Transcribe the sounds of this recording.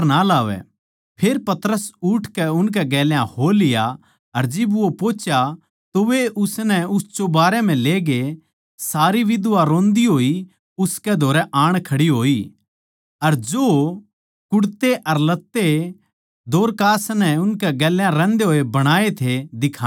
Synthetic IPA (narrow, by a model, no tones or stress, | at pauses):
ɾnalaːʋɛ̰ | pʰeːɾpɐt̪ɾəsʊʈʰkɛʊnk̬ɛɡɛːljãholɪja | ɐɾd͡ʒɪbʋopoːt͡ʃja | t̪oʋeʔʊsnɛʊsd͡ʒobaːɾɛm̤ɛ̃leːɡe | saːɾiʋɪd̪ʊʋaɾõːnd̪iɦoːi | ʊskɛd̪ʱoːɾɛʔaːɽ̃kʰɐɽiɦoːi | ɐɾd͡ʒoː | kʊɽt̪eʔɐɾlɐt̪ːe | d̪ʱoːɾkaːsnɛʊnkɛɡɛːljãɾɛ̃ːnd̪eɦoːebɐɽ̃aːet̪ʰed̪ɪkʰaː